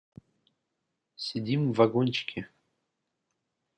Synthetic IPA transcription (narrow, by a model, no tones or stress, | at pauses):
sʲɪdʲimvɐɡonʲt͡ɕkʲɪ